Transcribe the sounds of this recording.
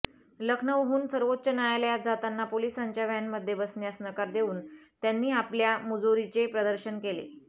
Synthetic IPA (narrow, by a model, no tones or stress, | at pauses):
ləkʰnəʋɦuːnsəɾʋot̪ːt͡ɕənajaljat̪d͡zat̪anːapolisaɲt͡ɕjaʋjanməd̪ʱːjebəsnjasnəkaɾd̪euːnt̪janːiːapljamud͡zoɾit͡sepɾəd̪əɾɕənkelḛ